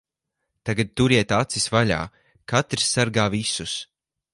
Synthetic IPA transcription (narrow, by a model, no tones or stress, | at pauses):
t̪aɡad̪̚t̪uɾiɛt̪at̪sisvaʎa̰ː | kat̪ɾsːaɾɡaːvisus